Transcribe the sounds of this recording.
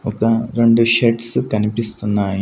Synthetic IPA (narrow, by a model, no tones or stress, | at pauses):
ɔkɐɾe̞ɳɖuʃeʈsukɐnipist̪unːaːji